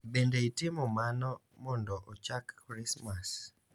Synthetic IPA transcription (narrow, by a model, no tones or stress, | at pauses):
bendeitɪmɔmanɔ | mɔndɔʔɔt͡ʃakːɾismas